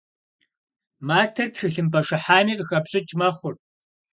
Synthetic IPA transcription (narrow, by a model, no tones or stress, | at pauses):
maːtʰɐrtxɨɬɨmpʰɐʂɐħaːmiːqʼəxɐpɕʼɪt͡ʃʼmɐχʷʊr